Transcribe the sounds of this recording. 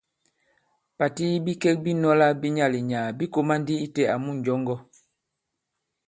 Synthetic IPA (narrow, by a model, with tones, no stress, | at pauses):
pa˨ti˦bi˦kɛ˦k̚bi˦nɔ˦la˦bi˦ɲa˦˨li˨ɲaː˨bi˦ko˦ma˦n˦di˦i˦tɛ˨a˨mu˦˨ɲ̩˨ɟɔ˦ŋɡɔ˦